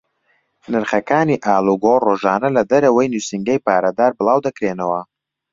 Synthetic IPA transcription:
nɨɾχɐkaːniːʔaːluɡoroːʒaːnɐlɐd̪ɐɾɐwɐjnusɨŋɡɐjpaːɾɐd̪aːɾbɨlˠaːwd̪ɐkɾeːnɐwɐ

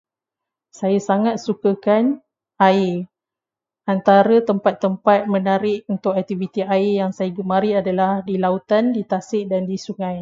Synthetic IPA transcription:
sajasaŋat̪̚sukakan | ai | ant̪aɾat̪əmpat̪ːəmpat̪̚mə̃naɾɪʔunt̪ʊkɛk̚t̪ivit̪iaijaŋsajaɡəmãɾiadalahdilaut̪andit̪asɪʔdandisuŋãj

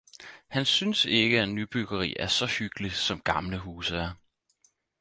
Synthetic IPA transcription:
hænsynse̝ɡ̥əænyb̥yɡ̥ɐʁḭːʔæɐsɒ̽hyɡ̥li̥sɒ̽mɡ̥ɑ̈mləɦuːsəæɐ

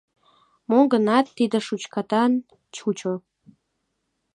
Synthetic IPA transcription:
moŋɡənɑt̪ːid̪ə̆ʃut͡ɕkɑt̪ɑn | t͡ɕut͡ɕo

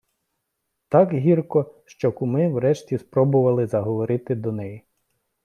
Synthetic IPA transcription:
t̪ɑkɦʲirkɔʃt͡ʃɔkʊmɪwɾɛʃtʲispɾɔbʊʋɐlˠɪzɐɦɔʋɔɾɪt̪ɪd̪ɔnɛji

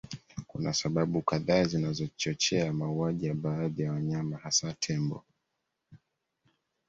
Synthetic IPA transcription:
kṵnasaɓaɓukaðaːzinazɔt͡ʃɔt͡ʃɛamauaʄijaɓaːðijawaɲamahasatʰɛmbɔ̰

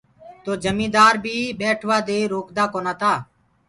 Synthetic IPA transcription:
t̪oːd͡ʒəmĩːd̪aːɾbʱiːɓeːʈʰʋaːd̪eːɾoːkd̪aːkoːnaːt̪aː

